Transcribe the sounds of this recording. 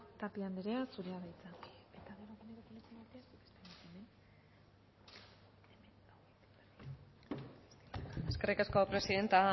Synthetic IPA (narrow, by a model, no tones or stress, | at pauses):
t̪apiand̪eɾeasuɾeaβajt͡sae̞t̪aɣeɾoɣeneɾok̪ilet͡senat̪easukest̪emat̪emen | eskerikasko̞pɾe̞siðe̞nt̪a